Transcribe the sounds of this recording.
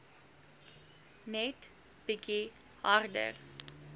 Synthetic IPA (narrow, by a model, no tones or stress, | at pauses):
nɛt | biki | hardə̰r